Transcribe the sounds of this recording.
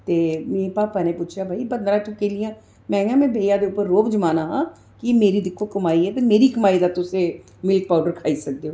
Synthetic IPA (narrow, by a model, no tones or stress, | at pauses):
t̪eːmeːpaːpɛːnẽpuːt͡ʃʰjabʱaːibənd̪ɾãːʈʰʊkeːlɪjãː | mɛ̃ːŋɡãmẽːbʱeːjaːd̪eʊpəɾːoːbd͡ʒəmaːnaːɦãː | kɪmeːɾid̪ɪkʰːokəmaːiɦɛːt̪emeːɾikəmaːid̪aːt̪ʊse | mɪlk̚paːʊɖəɾkʰaːisək̚d̪eoː